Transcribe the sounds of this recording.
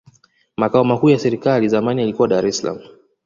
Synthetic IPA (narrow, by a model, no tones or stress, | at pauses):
makaɔmakuːjasɛɾikalizamanijalikuwaɗaɾɛsala̰mu